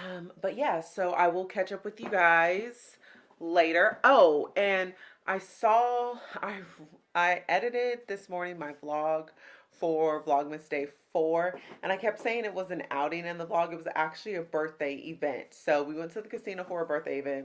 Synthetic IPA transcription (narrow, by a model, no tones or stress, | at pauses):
ʌ̃mb̥ʌt̚jæsoʊʔa̰ɪwɪlˠkʰæt͡ʃʌpwɨðjɨɡaɪz̥ | leɪɾə˞ʔoʊɨ̃nʔaɪsɔaɪ | aɪʔɛɾɨɾɪd̪̚ðɪsmɔɹnɪ̃ŋmaɪblɔɡ̥ | fə˞vlɔɡ̚mɨsd̥eɪfɔɹʔɨ̃ñaɪkʰɛp̚tseɪɪ̃ŋɨt̚wʌzɨ̃na̰ʊɾɪ̃ŋɨ̃nðəblɔɡɨt̚wʌzæ̰k̚t͡ʃʉl̩ˠiɨbɜ˞θd̥eɪʔɪ̰vɛ̰̃ntsoʊwiwɛ̃ntʰɨðɨkɨsĩñoʊfə˞bɜ˞θdeɪɨvɛ̃nt̚